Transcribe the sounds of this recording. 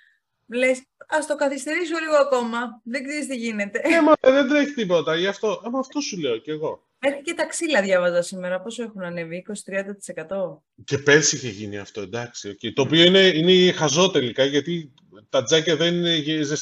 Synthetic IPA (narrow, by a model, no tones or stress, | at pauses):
le̞s | ɐst̪o̞kɐθist̪e̞ɾisuoliɣoɐko̞mɐðeɡzeɾist̪iʝine̞t̪e̞nemɐeðend̪ɾeçi̥t̪ipo̞t̪ɐiɐft̪o̞ɐmɐːft̪o̞sule̞oceɣo̞ | eɾçice̞t̪ɐksilɐðʝɐvɐzɐsimeɾɐpo̞se̞xunɐneviiko̞si̥t̪ɾiɐnd̪ɐt̪i̥se̞kɐt̪o̞ | ce̞pe̞ɾsiçeʝiniɐ̰ft̪o̞end̪ɐksio̞ce̞it̪oːpio̞ine̞inexɐzo̞t̪e̞likɐʝɐt̪i | t̪ɐd͡zɐcɐðenieʝizes